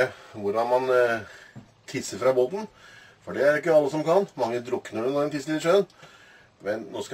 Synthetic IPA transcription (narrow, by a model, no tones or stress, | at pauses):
əʋʊɾɑnmɑn | t̪ʰɪsːəɾfɾɑboːt̪n̩ | fɔɖɛæɾɪkːəɑlːəsɔmkʰɑnmɑŋːəd̪ɾʊkːnəɖɛnoɛnt̪ʰɪslɪʂøːn | mɛnnoːsk